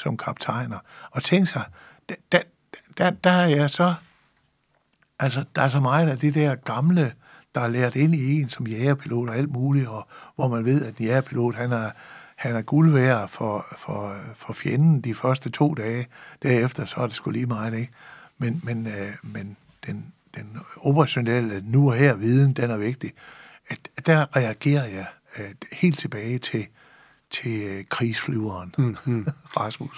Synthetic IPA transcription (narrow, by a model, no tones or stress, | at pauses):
sɒ̽mkʰɑ̈b̥̚t͡sʰɑ̈ɪ̰nɐɒ̽t͡sʰeŋɡ̥sɑ̈ɪ | d̥d̥æ̥ | d̥æd̥ææjæsɒ̽ | ʔælsəd̥æɐs̬ɒ̽mɑ̈ɪð̩ˠæd̥id̥æɐ̰ɡ̥ɑ̈mlə | d̥ɑ̈leɐd̥e̝n̰ie̝ːnsɒ̽mjɛːɐpʰilo̝̰ːd̥ɒæl̰d̥muːliɒ̽ʋɒmænʋe̝ð̞̰ˠæd̥enjæɐpʰilo̝̰ːd̥hænæɐhænæɐɡ̥ulʋæːɐfɒfɒ̽fɒ̽fjenn̩d̥ifɶɐsd̥ət͡sʰo̝̰ːd̥ɛːd̥æɐefd̥ɐsɒ̽æd̥e̝sɡ̥uliːmɑ̈ɪð̩ˠe̝ɡ̥menmenmen | d̥end̥enob̥ɐʁɑɕo̝nel̰ənuɒɦeɐ̰ʋið̞ˠn̩d̥enæɐʋe̝ɡ̥̚d̥i | æ̥d̥æʁɛæɡ̥e̝̰ːɐjɑ̈ɪ | he̝̰ːld̥t͡sʰe̝b̥ɛːɪt͡sʰe̝ | t͡sʰe̝kʰʁḭːsflyːɐːn | fʁɑsmus